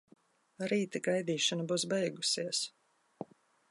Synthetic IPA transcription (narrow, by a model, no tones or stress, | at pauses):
ɾiːt̪aɡajd̪iːʃanabuːsbɛjɡusiəs